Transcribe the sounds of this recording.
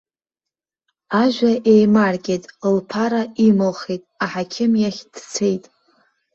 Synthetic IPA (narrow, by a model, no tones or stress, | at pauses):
aʒᶣʷaʔejmarkʲʼetʼlpʰaɾaimolχejtʼaħakʲʰɪmjaχʲd̥t͡sʰejtʼ